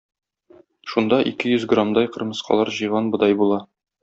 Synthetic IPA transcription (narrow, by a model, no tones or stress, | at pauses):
ʃund̪ɑʔikɘjɵzɡramd̪ɑjqɤ̆ɾmɤ̆sqʰɑ̰lˠɑɾʑɤ̆jʁɑnbɤ̆d̪ɑjbulˠɑ